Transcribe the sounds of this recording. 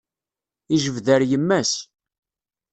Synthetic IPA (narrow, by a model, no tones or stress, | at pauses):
iʒəvðəɾjəmːæs